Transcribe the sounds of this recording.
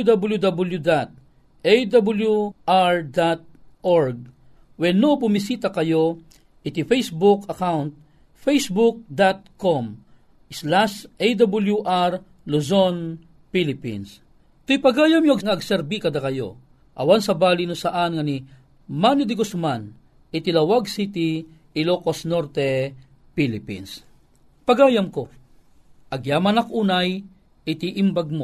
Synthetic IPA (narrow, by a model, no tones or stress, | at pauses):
d̪abɐljud̪abɐljud̪at̪̚ | ejd̪abɐljuʔaɹd̪at̪̚ʔoɹɡ̚ | wɛnːobʊmisiːt̪ɐkɐjo | ʔɪt̪ifejsbʊkɐkawnt̪̚ | fejsbuk̚d̪at̪̚kom | ʔɪslasʔejd̪abʊljuʔaɹ | luzon | pilɪpḭns | t̪ʊjpɐɡaːjɐmjoɐɡŋɐɐɡsɛɾbikɐd̪akɐjo̰ | ʔɐ̰wansɐbaːlɪnʊsaʔanŋɐni | manɪd̪ɪkosman | ɪt̪ɪlɐwaɡ̚sit̪iː | lokosnoɾt̪ɛ | pilɪpḭns | pɐɡaːjamko | ʔɐɡjamɐnakʔuːnaj | ʔɪt̪iʔɪmbaɡ̚mo